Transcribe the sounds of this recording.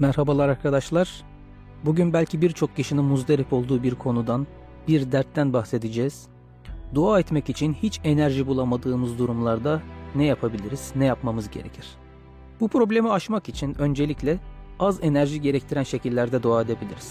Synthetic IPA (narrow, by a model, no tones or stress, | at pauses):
mæɾhabalˠaɾaɾkʰad̪aʃlˠaɾ̥ | buɟynbælʲcʰibiɾt͡ʃʰo̞k̚ciʃininmuzd̪eɾipo̞lˠd̪uːbiɾkʰo̞nud̪an | biɾd̪æɾt̪ːænbaxse̞d̪id͡ʒɛːz̥ | d̪uaːɛt̪mɛcit͡ʃʰinhit͡ʃe̞næɾʒibulˠamad̪ɯːmɯzd̪uɾumlˠaɾd̪anɛjapʰabilʲiɾiz̥nɛjapmamɯzɟe̞ɾecʰiɾ̥ | bupɾo̞blʲe̞miaʃmakit͡ʃʰinø̞nd͡ʒe̞lʲiclʲɛaze̞næɾʒiɟe̞ɾɛct̪ʰiɾænʃe̞cʰilʲːæɾd̪ɛd̪uaːed̪e̞bilʲiɾiz̥